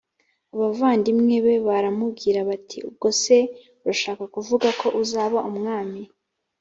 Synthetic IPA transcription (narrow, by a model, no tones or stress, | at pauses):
aβavaːndimŋe̞βe̞βaɾamub̚ɡiːɾaβatʰiub̚ɡo̞se̞ | uɾaʃaːkakuvuɡako̞ʔuzaːβaʔumŋaːmi